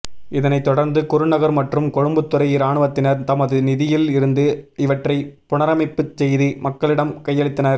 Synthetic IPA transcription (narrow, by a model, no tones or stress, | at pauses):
ɪðɐnɐɪt̪ːɔɽɐɾnd̪ɯkʊɾɯnɐɣɐɾmɐʈrɯmkɔɻɯmbɯt̪ːɯɾɐjɪɾaːɳɯʋɐt̪ːɪnɐɾt̪ɐmɐðɯnɪðɪjɪlɪɾɯnd̪ɯɪʋɐʈrɐɪpʊɳɐɾɐmɐɪpːɯt͡ʃːsɛjðimɐkːɐɭɪɽɐmkɐjːɐɭɪt̪ːɐnɐɾ